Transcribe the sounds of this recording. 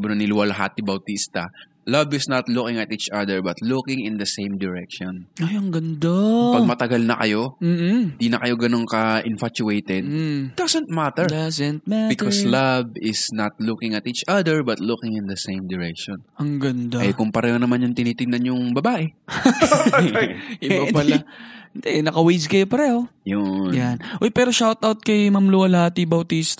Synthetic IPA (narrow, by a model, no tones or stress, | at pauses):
bʊnɐnɪlʊwɐlɐɦa̰t̪ɪbɐwt̪ist̪ɐ | lɐbɪsnɐt̪lukɪŋɐt̪ʔiːt͡ʃɐd̪ɛɹbɐt̪lukɪŋɪ̃nd̪ɐsẽjmd̪ɛɹɛk̚ʃɔnɐjɐŋɡɐnd̪apɐɡmɐt̪ɐɡalnɐkɐjo̞m̩ːɪnd̪iːnɐkɐjo̞ɡɐno̞ŋkɐʔɪnfat͡ʃʊʔejt̪ɛd̪d̥̪asɛ̃nt̪̚mat̪ɛɹdzɛnt̪̚mabɪkʰɔslɐbɪsnat̪lukɪŋɐt̪it͡ʃʔad̪ɛɹbɐt̪lukɪŋɪ̃nd̪ɐsẽjmd̪ɛɹɛkʃɔnʔɐŋɡɐnd̪aʔɐjkʊŋpɐɾɛːhonɐmanjʊŋt̪ɪniːt̪ɪŋnɐnjʊŋbɐbaːʔɛ | ɪbapɐlnd̪ɛnɐkɐwiskɐjopɐɾɛːhojonjanʔojpɛːɾoʃawt̪awt̪̚kɐjmɐmloɐlat̪ibɐwt̪ist̪